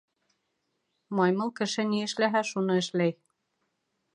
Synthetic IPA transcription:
mɑjmɤlˠkɘ̆ʃɘniɘ̆ʃlæɦæʃunɤɘ̆ʃlæj

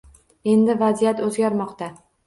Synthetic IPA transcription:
e̞nd̪ɪvazijat̪ɵzɡʲaɾmɒqt̪a

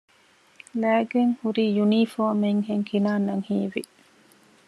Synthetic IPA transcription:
læːɡeŋhuɾiːjunifoːmeŋɦeŋkʰinaːnɐŋhiːʋḭ

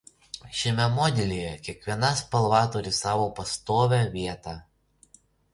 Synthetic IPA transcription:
ʃʲɪmʲɛmoːd̪ʲɛlʲijɛkʲiɛkʋʲiɛnɐspɐlˠʋɑːt̪ʊɾʲɪsɑːʋoːpɐst̪oːʋʲɛʋʲiɛt̪ɑ

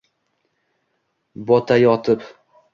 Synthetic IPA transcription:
bɒt̪ʰajɒt̪ʰɪp

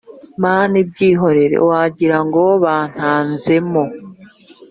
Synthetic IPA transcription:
maːnibɟiːɦo̞ɾe̞ɾḛwaɟiɾaŋɡoβaːn̥haːnze̞mo

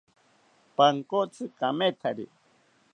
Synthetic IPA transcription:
paŋkot͡sʰɨkamet̪ʰaɾḭ

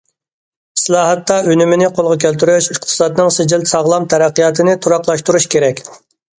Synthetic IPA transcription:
slˠɑːɦɛt̪ːɑynymɪnɪqʰolˠʁɑkʲʰølt̪yɾyʃiq̚t̪ʰɨ̥sɑd̪ɨnɪŋsɪd͡ʒɪlt̪sɑʁlˠɑmt̪ʰɛɾæqːijɑt̪ʰɨnɪt̪ʰuɾɑqlˠɑʃt̪uɾuʃkʲʰeɾɛkʲ

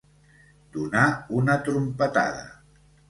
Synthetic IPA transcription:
d̪̥unaunət̪ɾumpət̪a̰ðə̰

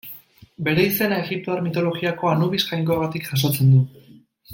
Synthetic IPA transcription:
be̞ɾe̞ise̞naeɣip̚t̪o̞aɾmit̪o̞lo̞ɣiako̞anuβisʝajŋkoaɣat̪ikʝas̬o̞t͡se̞nd̪u

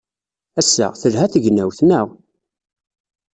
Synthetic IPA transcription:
æsːæ̰θəlɦæθəʝnæwθnæw

